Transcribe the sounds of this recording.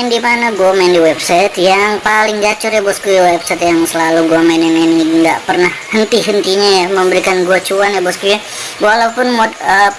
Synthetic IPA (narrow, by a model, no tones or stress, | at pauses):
ndimanaɡoamɛndiwɛbsajt̪jaŋpalɪŋd͡ʒat͡ʃʊrjabɔskuiwɛbsat̪jaŋsəlaluɡuamɛnininiŋɡaʔpərnahhənt̪iɦənt̪iɲajaməmbəɾikanɡuat͡ʃuanjabɔskua | walawpʊnmɔd̪ə